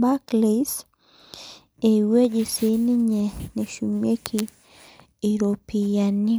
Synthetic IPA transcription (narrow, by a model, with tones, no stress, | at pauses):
ba˦kle˨s | e˨we˦d͡ʒi˨se˨˦ni˦ɲɛ˨ne˨ʃu˨mje˦kʰiː˦˨ | ɾo˨pi˨ja˨ni˦